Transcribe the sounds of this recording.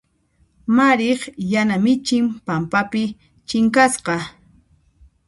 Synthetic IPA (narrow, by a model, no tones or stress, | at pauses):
maɾɪχjanamɪt͡ʃɪmpampapɪ | t͡ʃɪŋkasqɑ